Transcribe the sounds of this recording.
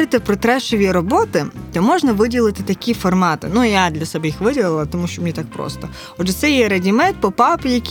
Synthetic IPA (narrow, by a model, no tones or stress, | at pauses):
ɾɪt̪ɪpɾɔt̪ɾɛʃɔʋʲiɾɔbɔt̪ɪt̪ɛmɔʒnɐʋɪdʲilˠɪt̪ɪt̪ɐkʲifɔrmɑt̪ɪ̰nujad̪lʲɐsɛbɛjixʋɪdʲilˠɪlˠɐt̪ɔmuʃt͡ʃɔmnʲit̪ɑk̚pɾɔ̰st̪ɔ | ɔdd͡ʒɛt̪sɛjɛɾɐdʲimɛt̪̚pɔpɑpʲijɐkʲ